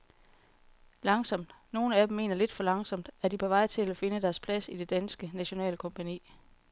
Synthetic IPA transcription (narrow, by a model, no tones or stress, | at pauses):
lɑ̈ŋsɒ̽m̰d̥no̝ːn̩æd̥em̩me̝̰ːnɐle̝d̥fɒlɑ̈ŋsɒ̽m̰d̥æd̥ipʰɒ̽ʋɑ̈ɪ̰t͡sʰe̝læfe̝nəd̥æɐspʰlæsid̥e̝d̥ænsɡ̥ənæɕo̝nɛ̰ːləkʰɒ̽mpʰænḭː